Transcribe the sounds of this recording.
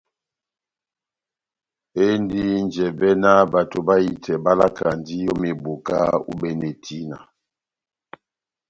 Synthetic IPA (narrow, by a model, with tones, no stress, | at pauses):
e˦ndi˦nd͡ʒɛ˨bɛ˦na˦ba˨to˨ba˦i˨tʰɛ˨ba˦la˦kʰa˨ndi˦jɔ˦me˨bo˨ka̰˦ṵ˦bɛ˨ne˨tʰi˦na˨